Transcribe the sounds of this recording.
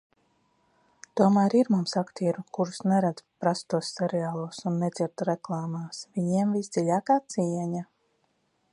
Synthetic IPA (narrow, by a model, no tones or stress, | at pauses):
t̪uɔmæːɾiɾmumsakt̪iːɾukuɾusnɛɾad̪pɾast̪uɔsːɛɾɛaːlˠuɔsunːed̪ziɾt̪ɾɛklˠɑːmaːsviɲiɛmvisd̪z̥iʎʲaːkaːt̪siɛɲa